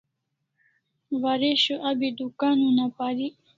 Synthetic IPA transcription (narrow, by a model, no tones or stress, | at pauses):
waɾeɕuʔabid̪ukaːnunapaɾi